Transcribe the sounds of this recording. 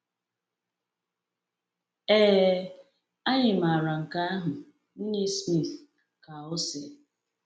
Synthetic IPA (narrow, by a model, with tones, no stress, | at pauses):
eː˦˨˦ | a˦ɲɪ˨ma˨ɾa˨ŋ̩˨ka˦a˦ɦʊ˨ | n̩˦ni˦smi˦˨θ | ka˨ɔ˦se˨